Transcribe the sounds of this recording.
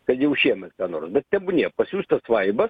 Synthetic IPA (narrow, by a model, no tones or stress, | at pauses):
kɐt̪jɛʊʃʲiɛmʲɛt̪kɑːnoːrsbʲɛt̪̚tʲɛbʊnʲeːpɐsʲuːst̪ɐsʋɐɪbɐs